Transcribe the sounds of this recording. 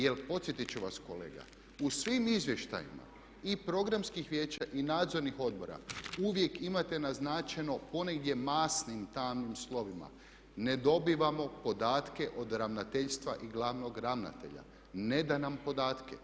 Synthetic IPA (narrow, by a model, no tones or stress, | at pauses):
jelpo̞t̪sjet̪it͡ɕuʋasko̞le̞ːɡa̰ | usʋimizʋje̞ʃt̪a̰jḭma̰ | ipɾo̞ɡɾamskixʋjeːt͡ɕaʔinaːd̪zo̞ɾnixo̞d̪̚bo̞ɾa̰uʋje̞kimat̪e̞naznaːt͡ʃeno̞po̞ne̞ɡd̪ʲje̞maːsnimt̪aːmnimslˠo̞ʋima̰ | ne̞d̪o̞biʋamo̞po̞d̪aːt̪ke̞ʔo̞d̪ɾaʋnat̪eʎst̪ʋaʔiɡlˠaːʋno̞ɡɾaʋna̰t̪e̞̰ʎa̰ | ne̞d̪anampo̞d̪aːt̪kḛ